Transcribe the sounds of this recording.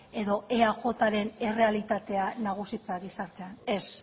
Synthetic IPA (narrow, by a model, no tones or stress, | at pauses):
e̞ðo̞ʔe̞aʝo̞t̪aɾe̞ne̞re̞alit̪at̪e̞anaɣ̞usit͡saɣisaɾt̪e̞ane̞s